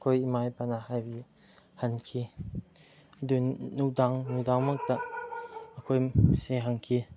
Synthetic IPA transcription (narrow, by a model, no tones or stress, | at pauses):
kʰojimajpanahajbi | hɐnkʰi | dunudaŋnudaŋmak̚d̪aʔəkʰojseɦaŋkʰi